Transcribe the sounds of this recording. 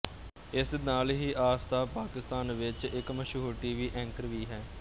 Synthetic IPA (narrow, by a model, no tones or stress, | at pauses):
ɪsnaːlɦiːʔaːst̪aːpaːkɪst̪aːnʋɪt͡ʃɪkməʃuːʈiːʋiːʔɛ̃ŋkəɾʋiːɦɛː